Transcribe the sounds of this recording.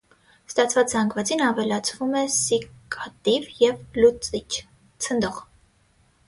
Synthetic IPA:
st̪ɑt͡sʰvɑt͡szɑŋɡʰvɑt͡sinɑvɛlɑt͡sʰvumɛsikʰʼɑt̪ivjɛvlut͡sit͡ʃʰ | t͡sʰənd̪ɔʁ

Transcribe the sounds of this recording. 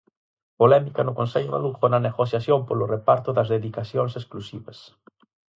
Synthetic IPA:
polɛmikɐnʊkonsɛʎʊma̰lufonɐneɣosjasjompolʊrepaɾt̪ʊðɐzðeðikasjoŋsesklusiβɐs

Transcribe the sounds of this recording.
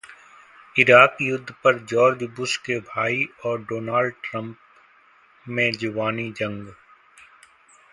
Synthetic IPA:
ɪɾaːkjʊd̪ʱːpɐɾd͡ʒɔːɾd͡ʒbʊʃkebʱaːiɔːɾɖoːnaːlɖʈɾə̃mp | mẽd͡ʒʊʋaːnid͡ʒɐ̃ŋɡ

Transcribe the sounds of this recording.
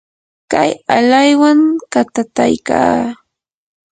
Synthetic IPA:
kajalajwaŋkat̪at̪ajka̰ː

